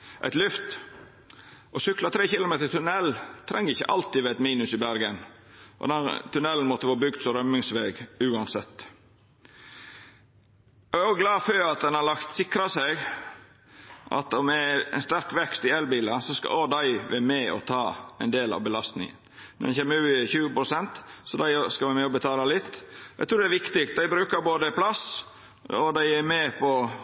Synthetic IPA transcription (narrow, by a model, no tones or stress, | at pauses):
ʔæ̰ɪt̪lʉft̪ | ʔɔsʏklɑt̪ʰɾeːçɪlʊmeːt̪əɾt̪ʰʉnɛlt̪ʰɾɛŋːəɾɪçːə̰ʔɑlt̪ɪʋæɪt̪miːnʉsɪbæɾɡən | ʔɔ̰d̪ɛt̪ʰʉnɛlːn̩mɔt̪ːəfɑːbʏɡd̪sɔɾœmːɪŋsʋeːɡʉːɑnsɛt̪ː | ɑæɾɔɡlɑːføːɾɑt̪̚d̪ɛnɑɾlɑkt̪sɪkɾɑsæɪɡ | ʔɑ̰t̪ɔmɛɛnst̪æɾkʋɛkst̪ɪɛlbiːlɑsɔskɑ̰od̪æɪʋɛmɛɔ̰t̪ʰɑːæɪnd̪eːlɑ̰ʋbəlɑst̪nɪ̰ŋə̰n | nɔ̰ɾd̪ɛ̰nçeːmːəɾʉːɪçʉːəpɾʊsɛnt̪sɔd̪æɪskɑʋæɪmɛɔbət̪ʰɑːlɑlɪt̪ːæɪt̪ɾuːɖ̪ɛæːʋɪkt̪ɪkt̪̚d̪æɪbɾʉːkəɾboːd̪əpʰlɑs | ɔd̪æɪæmɛpʰɔ